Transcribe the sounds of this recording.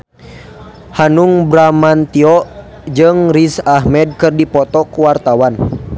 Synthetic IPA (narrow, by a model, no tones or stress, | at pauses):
hanuŋbɾamant̪iɔʔ | d͡ʒɨŋrisaɦmɛd̚kɨrdipɔt̪ɔkuwart̪awan